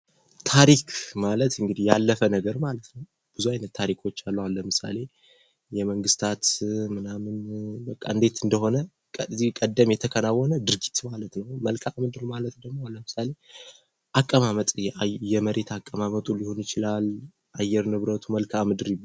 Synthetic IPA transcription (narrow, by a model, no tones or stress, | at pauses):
t̪ʰaɾikʰmalət̪ɨŋɡɨd̪ijalːəfənəɡəɾmalət̪nəw | b̥ɨzuajnət̪ʰːaɾikʰo̞t͡ʃːalːəwalːəmɨsa̰le̞ | jɛməŋɡɨst̪ʰat̪mɨnamɨnbəkʼːa̰ɨnd̪e̞t̪ɨnd̪əho̞nə | zikʼəd̪ːəmjɛt̪ʰəkʰənawːɔnəd̪ɨɾɡit̪malət̪nəwməlkʰamɨd̪ɨɾmalət̪d̪əmːoləmɨsale̞ | ʔakʼːəmamət̪ʼjɛməɾe̞t̪ʰakʼːəmamət̪ʼulihonjɪt͡ʃɪlal | ʔajːɛɾnɨβɾət̪ʰuməlkʰamɨd̪ɨɾ